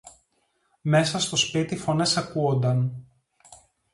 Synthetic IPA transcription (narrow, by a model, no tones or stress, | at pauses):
me̞sɐst̪o̞spit̪ifo̞ne̞sɐkuo̞nd̪ɐn